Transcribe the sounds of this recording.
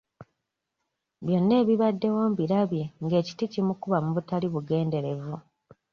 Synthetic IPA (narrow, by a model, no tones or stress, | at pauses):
βjo̞nːe̞ːβiβadːe̞woːmbiɾaβje̞ŋɡe̞ːci̥ticimukuβamuβutaliβuɡe̞ːnde̞ɾe̞vu